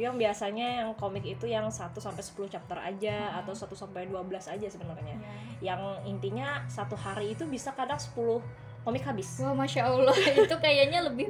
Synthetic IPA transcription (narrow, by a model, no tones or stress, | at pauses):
aŋbiasaɲajaŋkomɪkit̪ujaŋsat̪usampajsə̥pulʊht͡ʃap̚t̪əra̰d͡ʒaːt̪awsat̪usampajduabəlasad͡ʒasəbənarɲa | jaŋint̪iɲasat̪uhaɾiːt̪ubisakadaŋsə̥pulʊh | komɪkhabɪsamaʃalait̪ukajaɲaləbɪ